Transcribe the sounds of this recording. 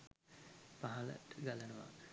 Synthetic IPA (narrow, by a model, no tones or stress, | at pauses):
paɦɐlə̰ʈ̪əɡalənəʋa̰